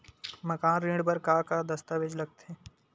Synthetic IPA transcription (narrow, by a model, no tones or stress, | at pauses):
mɐkaːnɾĩːɖpəɾkakad̪ɐst̪aːʋed͡ʒlɐɡ̚t̪ʰeː